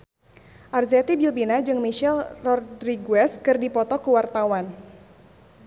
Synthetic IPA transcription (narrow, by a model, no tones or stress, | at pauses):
ʔarzɛt̪ibilbinad͡ʒɨŋmiʃɛlrɔrdɾiɡuɛskɨrdipɔt̪ɔkuwart̪awan